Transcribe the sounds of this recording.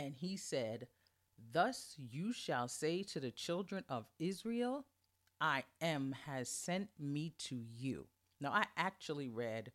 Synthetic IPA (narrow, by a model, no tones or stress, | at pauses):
ɨ̃nisɛd̪̚ | ðʌsjɨʃəlˠseɪɾɨðɨt͡ʃʰɪlˠdɹɨ̃nʔʌvɪzɹilˠ | ʔaɪɨ̃mɨz̥sɛ̃nmiɾʰɨjʉ̰ | naʊaɪʔæk̚t͡ʃul̩ˠiɹɛd̥